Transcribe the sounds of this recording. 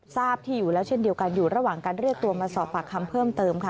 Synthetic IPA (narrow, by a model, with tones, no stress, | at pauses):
saː˥˩p̚t̪ʰiː˥˩juː˨˩lɛː˦˥wt͡ɕʰe˥ndi˧əwka˧njuː˨˩ɾa˧waː˨˩ŋkaː˧nɾɯ˥˩ək̚t̪u˧ɐmaː˧sɔː˨˩p̚pa˨˩kʰːa˧mpʰɤː˥˩mt̪ɤː˧mkʰa˦˥˩